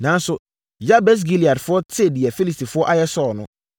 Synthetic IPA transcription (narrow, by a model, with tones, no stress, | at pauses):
nã˨˦n˦sʊ˦ | ja˦bɛ˦s̬ɡi˦li˨a˨dfʊ˦ɔ˦tʰɪ˦˨dɪ˨ɛ˨fi˦li˨sti˨fʊ˦ɔ˦ʔa˦jɛ˦sɔ˦˨nʊ̃˦